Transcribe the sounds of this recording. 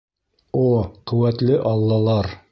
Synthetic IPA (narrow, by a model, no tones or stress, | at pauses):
oqɵ̆wæt̪lɘʔɑlˠːɑlˠɑɾ